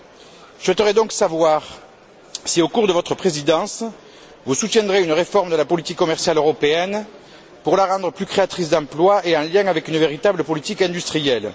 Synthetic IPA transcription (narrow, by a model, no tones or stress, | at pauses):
swɛt̪əʁɛd̪ɔ̃ksavwaʁ | siokuʁd̪əvɔt̪χəpχezid̪ɑ̃s | vusut̪jɛ̃nd̪ʁeynəʁefɔʁməd̪əlapɔlit̪ikːɔmɛʁsjaløʁɔpeɛn | puʁlaʁɑ̃d̪ʁəplykχeat̪χis̬d̪ɑ̃plwaeɑ̃ljɛ̃avɛkynəveʁit̪abləpɔlit̪ikɛ̃d̪yst̪χijɛl